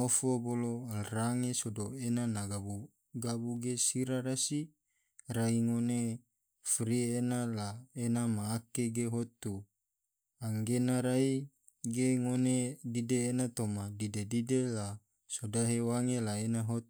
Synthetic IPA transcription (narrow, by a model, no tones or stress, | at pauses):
ofoboloalraŋesodoenanaɡabu | ɡabuɡesiɾaɾasi | raiŋone | fɾiːnalaenamaːkeɡeɦot̪u | aŋɡenaɾai | ɡeŋonedideːnat̪omadidedidela | sodaɦewaŋelaenaɦot̪